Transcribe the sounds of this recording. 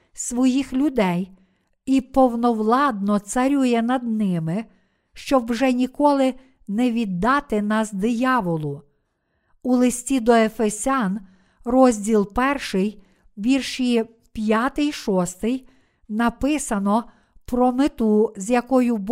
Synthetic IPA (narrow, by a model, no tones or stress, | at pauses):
sʋɔjixlʲʊd̪ɛj | ipɔwnɔwlˠɑd̪̚nɔt̪sɐɾʲujɛnɐd̪nɪmɪ | ʃt͡ʃɔwʒɛnʲikɔlˠɪ | nɛʋʲid̪ːɑt̪ɪnɑsd̪ɪjɑʋɔlˠʊ | ulˠɪsʲtʲid̪ɔefesʲɑn | rɔzʲdʲilˠpɛrʃɪj | bʲirʃij | pʲjɑt̪ɪjʃɔst̪ɪj | nɐpɪsɐnɔ | pɾɔmɪt̪uzʲjɐkɔjʊb